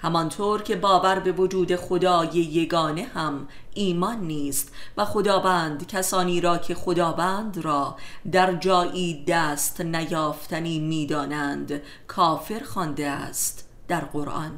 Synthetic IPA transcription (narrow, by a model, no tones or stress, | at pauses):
hæmɒnt̪ʰoːɾcʰe̞bɒːvæɾbe̞vo̞d͡ʒuːd̪e̞xo̞d̪ɒːje̞je̞ɡɒːne̞hæm | iːmɒnːiːst̪væxo̞d̪ɒːvæːnd̪cʰæsɒːniːɾɒːcʰe̞χo̞d̪ɒːvæːnd̪ɾɒːd̪æɾd͡ʒɒːʔiːd̪æːst̪næjɒːft̪ʰæniːmiːd̪ɒːnænd̪ | kʰɒːfe̞ɾxɒnd̪eæ̰st̪ | d̪̥æɾɢo̞ɾʔɒ̰n